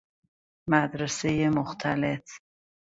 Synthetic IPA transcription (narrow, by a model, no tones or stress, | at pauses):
mæd̪ɾesejemoxt̪ʰælet